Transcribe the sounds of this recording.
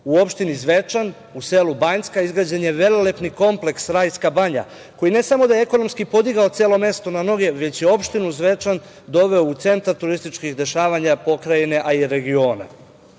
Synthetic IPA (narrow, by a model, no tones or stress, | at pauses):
uo̞pʃt̪inizʋe̞t͡ʃan | useːlubaɲskaizɡɾad͡ʑenje̞ʋe̞lelepniko̞mple̞ksɾajskabaɲa̰ | ko̞jine̞samo̞d̪ajeeko̞no̞mskipo̞d̪iɡao̞t̪seːlˠo̞me̞st̪o̞nano̞ɡe̞ʋe̞t͡ɕjeo̞pʃt̪inuzʋe̞t͡ʃan | d̪o̞ʋe̞out̪se̞nt̪aɾt̪uɾist̪it͡ʃkixd̪e̞ʃaːʋaɲapo̞kɾajine̞ʔaiɾe̞ɡio̞ːna̰